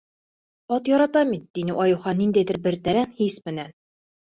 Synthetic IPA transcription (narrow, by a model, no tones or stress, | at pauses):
ɒt̪jɒɾɑt̪ɑmit̪̚d̪inɘʔɒjuχɑnːind̪æjðɘ̆ɾbɘ̆ɾt̪æɾænhismɘ̆næn